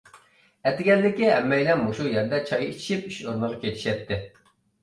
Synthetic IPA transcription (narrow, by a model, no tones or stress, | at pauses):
ɛt̪ɪɡʲɛlːɪkʲiɦɛmːɛjlɛnmoʃujɛɾd̪ɛt͡ʃʰɑjit͡ʃʰi̥ʃip̚yʃoɾnəʁɑkʲet͡ʃ̪ʰi̥ʃɛt̪ʰːɪ